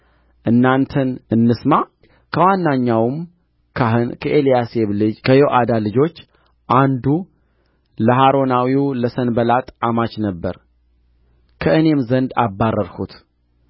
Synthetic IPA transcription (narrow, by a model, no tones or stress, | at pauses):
ʔɨnːant̪ʰənɨnːɨsma | kʰəwanːaɲːawmʰ | kʰəʔelijase̞βlɨd͡ʒkʰəjoʔad̪alɨd͡ʒo̞t͡ʃː | ʔand̪u | ləɦaɾo̞nawiləsənbəlat̪ʼamat͡ʃnəbːə̰ɾ | kʰəʔɨne̞mzənd̪a̰bːarːəɾhut̪